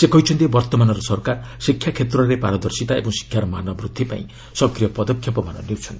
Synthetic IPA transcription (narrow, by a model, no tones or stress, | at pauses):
sekʌjt͡sʰund̪ebʌrt̪ɔmanʌɾʌsʌrkarsikʰjakʰet̪rʌlepa̰ɾʌd̪ʌrsit̪aḛbʌ̃ŋsi̥kʰjaɾmanʌbrud̪ʱːipa̰ḭ̃ | sʌkrijʌpʌd̪ʌkʰjʌpʌmanʌ̰niwt͡sʰun